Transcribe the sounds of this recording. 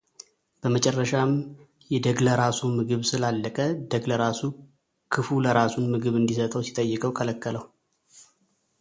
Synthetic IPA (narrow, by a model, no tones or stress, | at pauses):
b̥əmət͡ʃʼɛrːəʃam | jɛd̪əɡləɾasumɨɡɨβsɨlalːəkʼəd̪əɡləɾasu | kʰɨfuləɾasunmɨɡɨβɨnd̪isət̪ʼəwsi̥t̪ʼəjːɨkʼəwkʰələkːələwu